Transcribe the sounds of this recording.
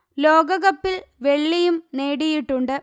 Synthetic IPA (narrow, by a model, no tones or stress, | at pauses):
lo̞ːɡɐɣɐpːilʋe̞ɭːijumne̞ːɽijiʈːuɳɖɨ